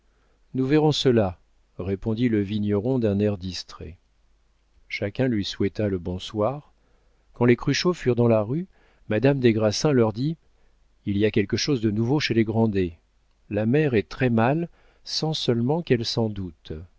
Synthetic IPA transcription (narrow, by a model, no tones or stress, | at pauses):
nuvɛʁɔ̃səla | ʁepɔ̃d̪iləviɲɔʁɔ̃d̪ɛ̃nɛʁd̪ist̪χɛ | ʃakʲɛ̃lɥiswɛt̪aləbɔ̃swaʁ | kɑ̃lekχyʃofyʁd̪ɑ̃laʁy | mad̪amd̪eɡʁasɛ̃lœʁd̪i | iliakʲɛlkəʃozd̪ənuvoʃeleɡʁɑ̃d̪e | lamɛʁɛt̪χɛmal | sɑ̃sœlmɑ̃kɛlsɑ̃d̪ut̪